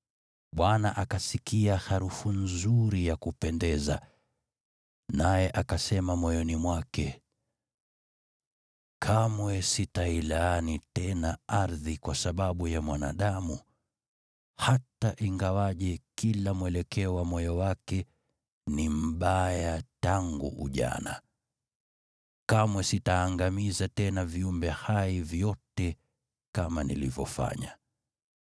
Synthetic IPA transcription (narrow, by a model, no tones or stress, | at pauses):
ɓwanaʔakasikiahaɾufunzuɾijakupɛndɛza̰ | najɛʔakasɛmamɔjɔnimwakɛ | kʰamwɛsitailaːnitɛnaaɾðikwasaɓaɓujamwana̰ɗamu | hataʔiŋɡawaʄɛkilamwɛlɛkɛɔwamɔjɔwakɛ | nim̩ɓajjataŋɡṵʔṵʄa̰na̰ | kamwɛsitaːŋɡamizatɛnaviumbɛhaivjɔtɛ | kamanḭlḭvjɔ̰fa̰ɲa